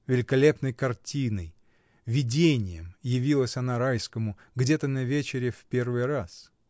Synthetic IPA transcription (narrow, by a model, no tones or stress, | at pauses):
vʲɪlʲɪkɐlʲe̞pnəjkɐrtʲinəj | vʲɪdʲenʲɪjəmjɪvʲilˠəsʲɐnaɾajskəmʊ | ɡdʲet̪ənɐvʲet͡ɕɪɾʲɪfpʲe̞rvɨjɾas